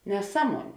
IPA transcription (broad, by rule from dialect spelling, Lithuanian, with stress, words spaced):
nʲɛˈsɑːˌmuɔnʲeː